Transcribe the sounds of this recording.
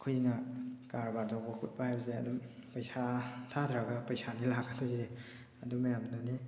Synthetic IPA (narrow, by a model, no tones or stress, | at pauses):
kʰujnakaɾbaɾdawbakʰut̚bahajbɐzeɐ̰dumpɐjsatʰadɾaɡapɐjsanilakʰatʰɔjze | adumajamdɔni